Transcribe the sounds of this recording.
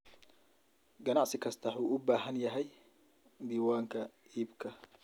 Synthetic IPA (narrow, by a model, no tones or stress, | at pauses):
ɡɐnɑʕsɪkʰɐst̪ʰɐħuːʔʊbaːɦɐnjɐɦɛj | d̪iːwaːŋkʰɐ | iːbkʰɐ